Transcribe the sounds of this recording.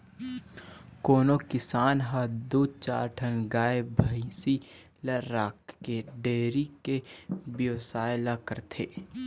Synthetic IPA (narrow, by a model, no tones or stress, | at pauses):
koːnokɪsaːnɦad̪uːd̪̚ʱt͡ʃa̰ːɾʈʰənɡaːebʱɐisi | lɐɾaːkːeɖeːɾikebjoːsaːjlakəɾt̪ʰeː